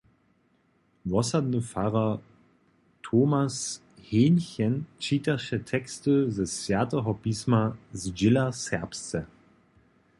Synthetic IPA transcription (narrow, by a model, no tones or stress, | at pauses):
vɔsadnəfaʁa | tʰomas | heːnçɛnt͡ʃiːtaʃɛtʰɛkstəzɛsvʲjatɛɦɔpiːsmazd͡ʒɪlasɛɐpst͡sɛ